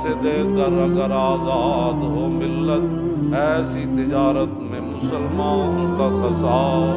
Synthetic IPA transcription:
sed̪eːkəɾɐɡəɾaːzaːd̪ɦoːmɪlːət̪ɛːsit̪ɪd͡ʒaːɾət̪mẽmʊsəlmaːnõkasɐzaː

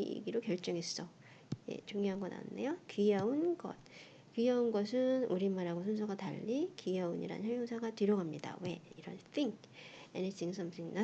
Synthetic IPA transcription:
ɡiɾokjʌɭt͡ɕ͈ʌŋes͈ʌ | je̞̰t͡ɕoŋjoɦanɡʌna̰dḛjokɥiaunɡʌ̰t̚ | kiaunɡʌsʰɯnuɾimaɾaɡosʰunsʰoɡata̰ʎːikiauɲḭɾa̰nɯ̰nɦemjoŋsʰaɡatɯɾjʌɡamɲida̰we̞iɾʌnθʰiŋkenetʰiŋs͈ʰʌmsʰʌɲina

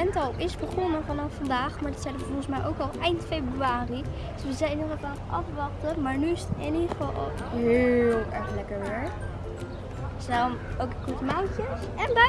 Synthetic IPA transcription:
ɛntɑlˠɪsb̥əχɔnəvɑnɑfːɑndaːχmaːdɑtsɛjdəʋəfɔχəsmɛjʔowkɑlˠɛjntfejbryaːrid̥əsʋəzɛjnɔχɛtaːχɑfʋɑχtəmaːɹnyɪsɪniχəfɑlˠlˠ | ɦɪːlˠɛɹχlɛkəɹʋɪɹ | sɛmowkəkɔɹtəmawcəs | ɛnbɛ

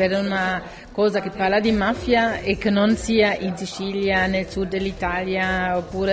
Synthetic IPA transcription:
ɛɾuna | kɔːzakepːaɾlad̪imafjaekːənonsiːaʔinsit͡ʃiljanelsud̪ːelit̪aljaopːuːɾe

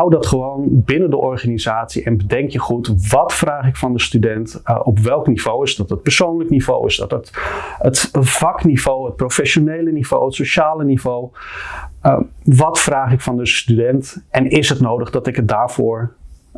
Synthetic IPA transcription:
ɦawdɑtχəʋownbɪnəndəʔɔɹχaːnizaːtsiɛnbədɛŋkjəχutʋɑtfraːχɪkfɑndəstydɛntʔɔpʋɛlˠkniv̥owɪzdɑtət̚pəɹsownləknivo̰wɪ̰sdɑ̰tətətv̥ɑknivowət̚prowfɛʃonejləniv̥o̰wɦətsoʃaːlənivow | ʋɑtfraːχɪkfɑndəstydɛntʔɛnɪsɦətnowdəχdɑtɪkɦət̚daːɹv̥ʊːɹ

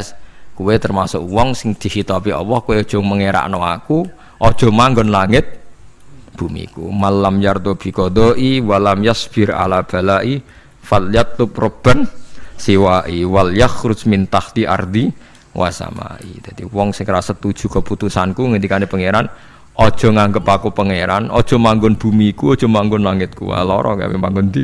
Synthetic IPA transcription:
skuwet̪ərmasʊ̰kwɔŋsɪŋd̪̥i̤hit̪ɔpiɔ̰wɔhkuweɔd̥ʒ̥ɔ̤məŋeɾa̰ʔnɔaku | ʔɔd̥ʒ̥ɔ̤maŋɡɔnlaŋɪt̪̚ | b̥ṳmḭkṵmalːamjart̪ob̥i̤kɔd̪ɔʔiwalamjasb̥ɪɾa̰lab̥a̤laʔi | faljat̪ːʊprəb̥ənsiwaʔiwaljaxɾʊsmint̪aht̪ia̰rd̪i | wʔa̰sa̰ma̰ḭd̥d͡ʒ̥ad̪̥iwɔŋsɪŋrasat̪ud̥ʒ̥ṳkəput̪usankuŋəndikanepəŋeɾan | ʔɔd̥ʒ̥ɔ̤ŋaŋɡəpakupəŋeɾanɔd̥ʒ̥ɔ̤maŋɡʊnb̥ṳmikuɔd̥ʒ̥ɔ̤maŋɡʊnlaŋɪt̪̚kṵwa̰lɔ̰ɾɔ̰ka̰wemaŋɡʊnd̪i

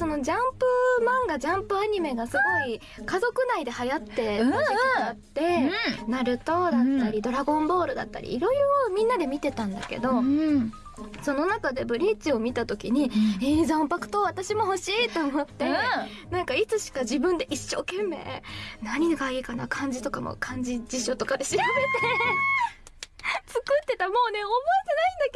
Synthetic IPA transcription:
so̞no̞d͡ʑãmpɯ̟mãŋɡad͡ʑãmpɯ̟aɲ̟ime̞ɡasɨɡo̞i | kazo̞kɯ̟naid̪e̞hajat̪ːe̞ | at̪ːe̞naɾɯ̟t̪o̞d̪at̪ːaɾʲid̪o̞ɾaɡõ̞mbo̞ːɾɯ̟d̪a̰t̪ːa̰ɾʲḭːɾo̞iɾomʲĩnːad̪e̞mʲit̪e̞t̪ãnd̪a̰ke̞̰d̪o̞ | so̞no̞nakad̪e̞bɯ̟ɾʲit͡ɕio̞mʲit̪at̪o̞kʲiɲ̟ieːzãmpakɯ̟̥t̪o̞βat̪aɕimo̞ɦo̞ɕiːt̪ːo̞ːmo̞t̪ːe̞ | nãŋkait͡sɨɕi̥kad͡ʑibɯ̟̃nd̪e̞ʔiɕːo̞ːkẽ̞mːe̞̰ːnaɲ̟iɡaiːkana̰kʰãɲ̟d͡ʑit̪o̞kamo̰kʰãɲ̟d͡ʑid͡ʑiɕo̞t̪o̞kad̪e̞ɕiɾabe̞t̪e | t͡sɨkɯt̪ːe̞t̪amo̞ːne̞omo̞it̪enaĩnd̪ake

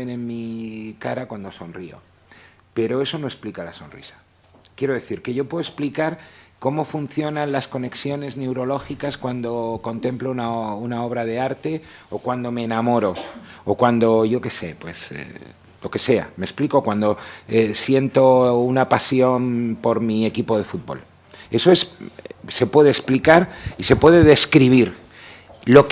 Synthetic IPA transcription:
ene̞nmikaɾakwand̪o̞so̞nrio̞̰ | pe̞ɾo̞e̞so̞no̞e̞splikalasonrḭsḁ | kje̞ɾo̞ð̞e̞θiɾke̞ʝo̞pwe̞ðoe̞splikaɾko̞mo̞fun̟θjo̞nãnlasko̞ne̞ksjo̞ne̞zne̞wɾo̞lo̞xikaskwand̪o̞ko̞nt̪e̞mplounaunao̞β̞ɾaðe̞aɾt̪e̞ | okwand̪o̞me̞ːnamo̞ɾo̞okwand̪o̞ʝo̞ke̞se̞̰pwe̞̰sḛ | lo̞ke̞se̞a̰me̞kspliko̞kwand̪oesje̞nt̪o̞unapasjo̞mpo̞ɾmiekipo̞ð̞e̞fut̪̚bo̞̰l | e̞so̞e̞sse̞pwe̞ðeːsplikaɾise̞pwe̞ðe̞ðe̞skɾiβ̞iɾ | lo̞k

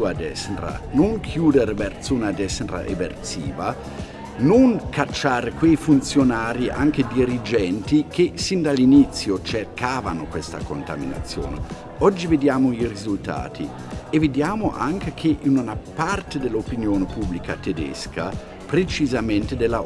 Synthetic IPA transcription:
uad̪ɛsnɾa̰noŋkʰjuːd̪eɾbɛrt̪suːnad̪ɛsnɾa̰ʔḛbḛrtsiːva | noŋkat͡ʃːaːɾekwejfunt̪sjonaːɾiʔa̰ŋked̪iɾid͡ʒɛnt̪ikʰesind̪alːinit̪sjot͡ʃerkaːvanʊkwest̪a̰kont̪a̰mina̰t̪sːjo̰ːne | ɔd͡ʒːived̪jaːmʊirizult̪a̰ːt̪ʰi | eved̪jaːmʊʔa̰ŋkekʰeʔinunapart̪ed̪elːopinjoːnepublikat̪ed̪ɛ̰ska | pɾet͡ʃizamɛnt̪ed̪elːa

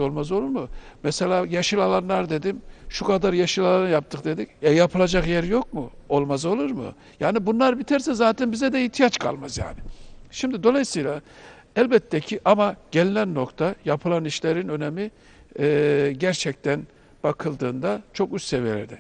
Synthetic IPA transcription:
o̞lˠmazo̞lˠuɾmɯmɛselʲaːjaʃɯlˠalˠanlˠaɾd̪e̞d̪imʃukʰad̪aɾjaʃɯlˠalˠanɯjap̚t̪ʰɯkd̪e̞d̪icajapʰɯlˠad͡ʒakjɛɾjo̞k̚muo̞lˠmazo̞lˠuɾmɯ̰ | jaːnibunlˠaɾbit̪ʰæɾsɛzaːt̪ʰɛnbizɛd̪ɛit̪ʰijat͡ʃkʰa̰lˠmazja̰ːnɪʃimd̪id̪o̞lˠajɯsɯjlʲˠa | ælʲbɛt̪ʰːɛcʰiʔamaɟ̥e̞lʲinænːo̞kt̪ʰajapʰɯlˠaniʃlʲeɾinø̞nemiː | ɟæɾt͡ʃʰɛc̚t̪ʰæn | b̥akʰɯlˠd̪ɯːnd̪at͡ʃʰo̞kyst̪sevijelʲḛɾd̪ɛ

